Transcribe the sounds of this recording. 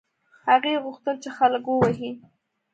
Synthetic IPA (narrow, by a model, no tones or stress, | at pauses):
haɣeɣʊxt̪əlt͡ʃexaləkwəwaɦi